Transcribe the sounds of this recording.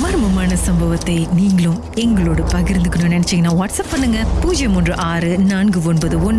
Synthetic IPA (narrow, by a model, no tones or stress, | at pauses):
mɐːɾmɐmaːnɐsɐmbɐʋɐt̪ːɐɪniːŋɡɐɭɯ̃m | ɛŋɡɐɭoːɽɐpɐɣɪɾɯnd̪ɯkːɐnɯnɛnɛt͡ʃːɪŋɡɐnːaːʋɐʈsɐpːɐnːɯŋɡɐpuːd͡ʒɐjɐmɔndrɯʔaːɾɯnaːnɡɯɔnbɐðɯɔnː